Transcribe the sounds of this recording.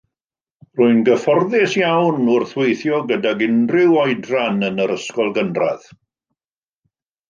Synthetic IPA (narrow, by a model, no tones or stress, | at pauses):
r̥ʊɨnɡəfɔrðɪsjawnʊrθwejθjɔɡədaɡɪndrɪwɔɨdranənəɾəskɔlˠɡənra̰ð̥